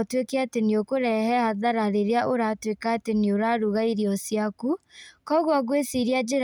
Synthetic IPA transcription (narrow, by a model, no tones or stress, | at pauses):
twekɛateniokoɾɛhɛhaðaɾaɾeɾeaʔoɾatwekaːtenioɾaːɾuɣaiɾiɔsjakukɔɣwaɣwesiɾiad͡ʒeɾ